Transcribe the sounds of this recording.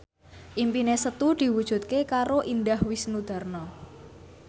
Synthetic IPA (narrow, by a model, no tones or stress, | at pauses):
ʔimpinesət̪ud̪̥i̤wud̥ʒ̥ṳt̪̚kekaɾoʔind̪ahwɪsnud̪̥a̤rnɔ